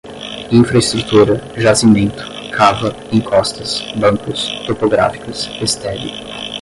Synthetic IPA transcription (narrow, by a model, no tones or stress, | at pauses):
ĩfɾɐist̪ɾut̪uɾɐʒasimẽnt̪ʊ̥ | kʰavɐ | ẽŋkʰɔst̪ɐsbɐ̃ŋkʊst̪opoɡɾa̰fi̥kʊsest̪ɛbɪ̰